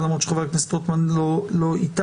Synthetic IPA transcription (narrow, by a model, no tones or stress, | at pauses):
d̪aɐmot̪ʃχavaknast̪ot̪manloloit̪a